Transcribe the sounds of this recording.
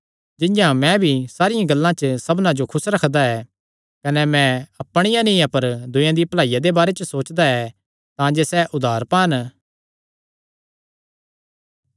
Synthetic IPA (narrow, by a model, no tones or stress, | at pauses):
d͡ʒɪ̃ɲjãmɛ̃bʱisaːɾɪjãɡɐlːãt͡ʃəsɐbnãd͡ʒokʰʊsɾɐkʰd̪aɛː | kɐnɛmɛ̃ɐpːɽ̃ɪjãnɪ̃apɐɾd̪ʊ̃jãd̪iplaːijad̪ebaːɾet͡ʃəsoːt͡ʃd̪aɛ | t̪ãd͡ʒesɛʔʊd̪ʱaːɾpaːn